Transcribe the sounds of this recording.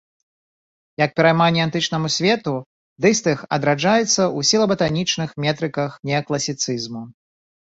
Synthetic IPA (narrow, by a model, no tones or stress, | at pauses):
jɐk̚pʲɛɾajmanʲːɛant̪ɨt͡ʂnɐmusʲvʲɛt̪u | d̪ɨst̪ɨxɐ̰d̪ɾad͡ʐajɛt̪sːɐusʲilˠɐbɐt̪anʲit͡ʂnɨxmʲɛt̪ɾɨkɐxnʲɛklˠɐsʲit̪sɨzmu